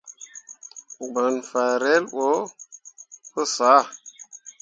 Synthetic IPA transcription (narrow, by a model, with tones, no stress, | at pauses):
ɡ͡bə˨nfa˨ɾe˦lɓo˦ | kə˦sa˨˦˨